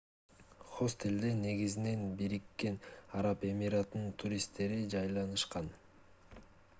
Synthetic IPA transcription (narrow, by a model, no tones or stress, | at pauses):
χo̞st̪e̞ld̪ene̞ɡizine̞nbiɾikːe̞nɑɾɑpe̞miɾat̪nɯnt̪ʰuɾʲist̪ːe̞ɾid͡ʒɑjlˠɑnɯʃqɑn